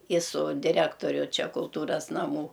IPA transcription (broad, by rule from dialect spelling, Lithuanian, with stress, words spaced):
ɪ sʊ dʲɪˈrʲæːktoːrʲʊ ˈt͡ʃʲɛ kʊlˠˈtuːrɐs nɐˈmuː